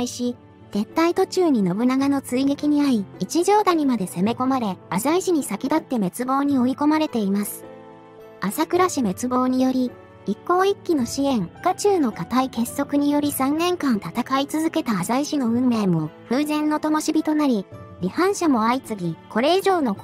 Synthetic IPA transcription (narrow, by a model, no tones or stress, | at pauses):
iɕi | z̥e̞t̪ːait̪o̞t͡ɕɨːɲ̟ino̞bɯ̟naɡano̞t͡sɨiɡe̞kʲiɲ̟iaɾʲiːt͡ɕiʑo̞ːd̪aɲ̟imad̪e̞se̞me̞ko̞maɾe̞azaiɕiɲ̟isakʲid̪at̪ːe̞me̞t͡sɨbo̞ːɲ̟io̞iko̞maɾe̞t̪e̞imasɨ̥ | asakɯ̟ɾaɕime̞t͡sɨbo̞ːɲ̟ijo̞ɾʲi | ikːo̞ːikʲːino̞ɕiẽ̞ŋkat͡ɕɨːno̞kat̪aike̞sːo̞kɯ̟ɲ̟ijo̞ɾʲisãnːẽ̞ŋkãnt̪at̪akait͡sɨzɨke̞t̪aːzaiɕino̞ɯ̟̃nːe̞ːmo̞ɸɯ̟ːzẽ̞nːo̞t̪omoɕibʲit̪o̞naɾʲiɾʲihãɰ̃ɕamo̞ait͡sɨɡʲikʰo̞ɾe̞iʑo̞ːno̞